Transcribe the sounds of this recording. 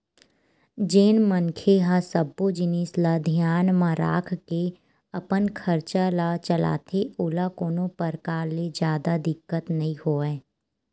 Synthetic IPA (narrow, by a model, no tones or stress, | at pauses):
d͡ʒeːnmənkʰeɦãsəbod͡ʒɪnɪslad̪ʱjaːnmãɾa̰ːkʰke | əpənkʰəɾt͡ʃalat͡ʃəla̰ːt̪ʰeʊlakoːnõpəɾkaːɾled͡ʒjaːd̪ad̪ɪkːət̪nɐɦĩhoːɛː